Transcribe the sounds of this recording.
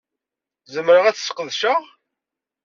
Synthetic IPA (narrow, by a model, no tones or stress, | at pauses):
zəmɾəʁæt͡sːsqəðʃəʁ